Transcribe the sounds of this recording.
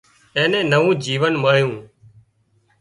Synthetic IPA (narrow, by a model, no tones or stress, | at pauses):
ẽːnẽːnəʋũːd͡ʒiːʋənməɭ̤jũː